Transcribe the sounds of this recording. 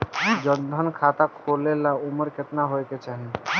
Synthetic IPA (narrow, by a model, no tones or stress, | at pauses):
d͡ʒənd̪ʱənkʰat̪akʰolelaʊməɾket̪naɦojket͡ʃaːɦi